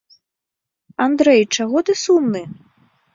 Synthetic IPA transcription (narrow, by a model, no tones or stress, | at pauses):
and̪ɾɛjt͡ʂaɣɔt̪ɨsumnɨ